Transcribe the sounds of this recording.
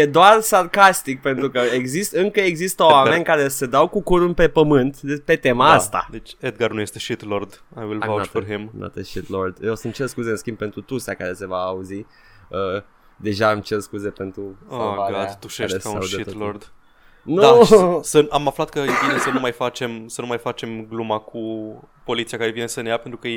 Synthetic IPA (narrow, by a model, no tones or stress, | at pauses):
jed̪oarsarkast̪ik̚pe̞nt̪ɾukəeɡzist̪əɨŋkəeɡzist̪əoame̞nʲkaɾe̞sed̪awkukuɾunpe̞pəmɨnt̪epe̞t̪e̞maast̪a̰d̪et͡ʃʲed̪̚ɡarnujest̪eʃit̪lord̪ajwilaafəɦemna̰t̪əʃit̪lord̪jewsəmt͡ʃe̞rskuze̞ɨnskʲimb̚pe̞nt̪ɾut̪usakaɾe̞se̞vaːuzi | ə | d̪e̞ʒamt͡ʃerskuze̞pe̞nt̪ɾuaaɡad̪t̪uʃeɾeaaudʃeit̪lord̪ | nudasəamaflat̪̚kəjebinesənumajfat͡ʃe̞msənumajfat͡ʃe̞mɡlumaku | po̞lit̪siakaɾevinesənejapent̪ɾukəje